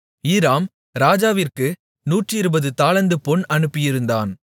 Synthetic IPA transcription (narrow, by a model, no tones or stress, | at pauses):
iːɾaːm | ɾaːd͡ʒaːʋɪrkɯ | nuːʈrɪɾɯbɐðɯt̪aːlɐnd̪ɯpɔɳɐnɯpːɪjɪɾɯnd̪aːn